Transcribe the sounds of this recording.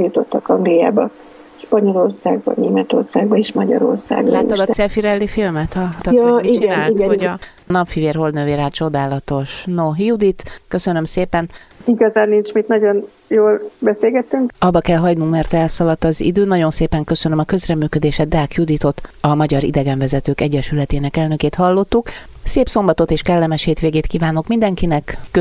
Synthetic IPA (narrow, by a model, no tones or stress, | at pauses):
jut̪o̞t̪ːɒkɒŋɡlija̰ːbɒ | ʃpɒɲo̞lo̞rsaːɡ̚bɒ̰neːmɛt̪o̞̰rsaːɡbɒeːʃmɒɟɒ̰ɾo̞̰rsa̰ːɡlaːɔd̪ɒt̪sɛfiɾɛlːifilmɛt̪ɒt̪ɒjɒmiit͡ʃt͡ʃinaːlit̪o | nɒpfiveːrɦo̞ld̪nøveːɾaːt͡ʃo̞d̪aːlɒt̪o̞ʃnoːɦijud̪it̪køsønømseːpɛniɡɒzaːnːint͡ʃmit̪nɒɟo̞n | joːlbɛseːlɡɛt̪ːyŋkɒbːɒkɛlɦɒɟnummɛrt̪ɛlsɒlɒt̪ːɒzḭd̪øːnɒɟo̞nseːpɛŋkø̞sønømɒkø̞zrɛmyːkød̪eːʃɛd̪aːkjud̪it̪o̞t̪ɒmɒɟɒɾḭd̪ɛɡɛɱvɛzɛt̪øːkɛɟːɛʃylɛt̪eːnɛkɛlnø̞keːt̪hɒlːo̞t̪ːukseːpso̞mbɒt̪o̞t̪eːʃkɛlːɛmɛʃheːt̪ʋeːɡeːt̪kiːvaːno̞kmind̪ɛŋkinɛkː